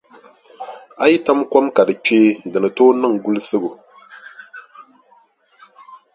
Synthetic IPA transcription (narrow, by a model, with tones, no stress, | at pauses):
a˦ji˦ta˦mkɔ˦mka˨dɨ˨t͡ʃeː˦˨dɨ˨nɨ˨toː˦nɨ˦ŋ˨ɡu˦lsɨ˦ɡu˨